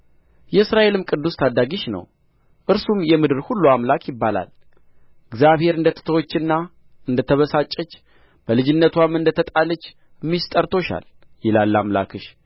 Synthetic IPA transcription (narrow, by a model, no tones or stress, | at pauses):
jɛɨsɾaʔe̞lɨmkʼɨd̪ːust̪ʰad̪ːaɡiʃnə̰w | ʔɨɾsumjɛmɨd̪ɨɾhulːuamlakʰʼjɪbːala̰l | ɨɡzjaβhe̞ɾɨnd̪ət̪ʰə̥t̪ʰəwot͡ʃːɨnːa | ɨnd̪ət̪ʰəβəsat͡ʃʼːət͡ʃː | b̥əlɨd͡ʒɪnːət̪ʰwamɨnd̪ət̪ʰət̪ʼalət͡ʃː | mːist̪ʼəɾt̪ʰo̞ʃa̰l | jɪlalːamla̰kʰɨʃ